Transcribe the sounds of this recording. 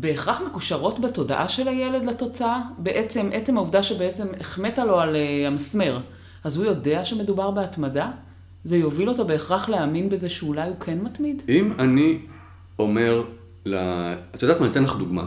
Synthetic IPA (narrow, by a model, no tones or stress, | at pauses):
be̞ːχʁaχme̞kuʃaʁo̞tbato̞da̰ʔaʃe̞laje̞le̞dlato̞t͡saabe̞ʔet͡se̞mʔe̞t͡semauvdaʃebe̞et͡se̞meχme̞talo̞aleamasme̞ʁ | azhujo̞de̞aʃeme̞dubaʁbeatmada | ze̞jo̞vilo̞to̞be̞ːχʁaχleaminbezeʃeulajukʰenmatmidimani | o̞me̞ʁ | la̰at̪od̪atmant̪enlaχduɡma̰